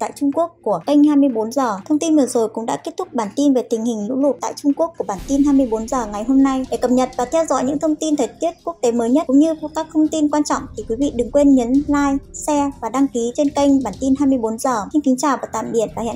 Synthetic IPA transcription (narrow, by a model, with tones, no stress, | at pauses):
t̪a̰ː˧˨jt͡ɕʊ˧ŋ͡mku˦˥əkːu˧˩əkə˧jŋ̟haː˧jmɨ˧əjɓo˨˦nzəː˨˩t̪ʰə˧wŋ͡mt̪i˧nvɨ˨˩zo˨˩jkʊ̰˧˥ŋ͡mɗa̰ː˧˥ke˦˥ət̪̚ʰʊ˦˥k͡p̚ɓaː˧˩nt̪i˧nve˨˩t̪ï˨˩ŋ̟hï˨˩ŋ̟lṵ˧˥lʊ˨˩t̚t̪a̰ː˧˨jt͡ɕʊ˧ŋ͡mku˦˥əkːu˧˩əɓaː˧˩nt̪i˧nɦaː˧jmɨ˧əjɓo˨˦nzəː˨˩ŋa˨˩jɦo˧mna˧jɗe˧˩kə˨˩mɲə˨˩t̚vaː˨˩t̪ʰɛ˧wzɔ̰˧˥jɲɨ̰˧˥ŋt̪ʰə˧wŋ͡mt̪i˧nt̪ʰəː˨˩jt̪i˦˥ət̚ku˦˥ək̚t̪e˨˦məː˨˦jɲə˦˥t̚ʊ̰˧˥ŋ͡mɲɨ˧kaː˦˥k̚t̪ʰə˧wŋ͡mt̪i˧nkwaː˧nt͡ɕɔ̰˧˨wŋ͡mt̪ʰi˨˩kwi˨˦vḭ˧˨ɗɨ˨˩ŋkwe˧nɲə˨˦nlaː˧jsɛ˧vaː˨˩ɗa˧ŋki˨˦t͡ɕe˧nka˧jŋ̟ɓaː˧˩nt̪i˧nhɦaː˧jmɨ˧əjɓo˨˦nzəː˨˩si˧n̟ki˨˦ŋ̟t͡ɕaː˨˩wvaː˨˩t̪a̰ː˧˨mɓi˧˩ət̚vaː˨˩hɛ̰˧˨